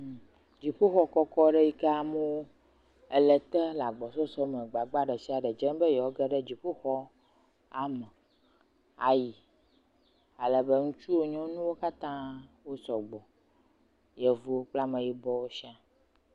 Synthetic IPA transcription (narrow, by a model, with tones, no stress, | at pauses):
d͡ʑi˨ɸu˦xɔ˦kɔ˦kɔ˦ɖɛ˦ji˦kɛ˦a˦˨mo˦wo˦ | ɛ˨lɛ˨t̪ɛ˦la˨ɡ͡bɔ˨sɔ˦sɔ˦mə̃˨ɡ͡ba˨ɡ͡ba˦ɖɛ˨si˦a˨ɖɛ˨d͡ʒɛ˦nbɛ˦jɛ˨wɔ˦ɡɛ˦ɖɛ˦d͡ʑi˨ɸu˦xɔ˦ | a˨mɛ˨ | a˨ji˨ | a˨lɛ˨bə˦ŋũ˦t͡ʃu˦wo˦ɲɔ̃˦nũ˦wo˦ka˦t̪ã˦wo˦sɔ˨ɡ͡bɔ˨ | jɛ˨vo˨o˦k͡pla˦mə̃˨ji˨bɔ˦wo˦ʃi˦a˨